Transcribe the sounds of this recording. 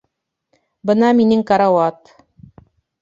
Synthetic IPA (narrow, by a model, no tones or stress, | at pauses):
bɤ̆nɑminɘŋkɑɾɑwɑt̪